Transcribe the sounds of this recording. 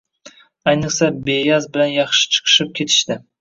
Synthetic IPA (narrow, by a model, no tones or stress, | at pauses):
ajnɨqsabejazbɪlanjɑχʃɪ̥t͡ʃʰɨ̥qʰɨ̥ʃɪp̚kʲʰe̞t̪ʰɪ̥ʃt̪ɪ